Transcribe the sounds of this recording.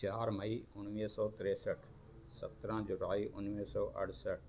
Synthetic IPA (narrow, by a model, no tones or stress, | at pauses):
aːɾmɐiʊnmisɔːt̪ɪɾeːsəʈʰ | sɐt̪ɾãd͡ʑuɾaːiʔʊnmiɦsɔːʔɐ̰ɽ̤səʈ̚ʰ